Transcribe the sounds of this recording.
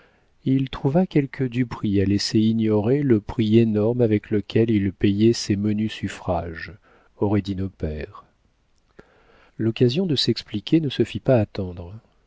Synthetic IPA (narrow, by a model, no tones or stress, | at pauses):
ilt̪χuvakʲɛlkʰəd̪ypχialeseinjɔʁeləpχienɔʁmavɛkləkʲʰɛlilpejɛsɛmənysyfχaʒ | ɔʁɛd̪inopɛʁ | lɔkazjɔ̃d̪əsɛksplikʲenəsəfipaːt̪ɑ̃d̪ʁə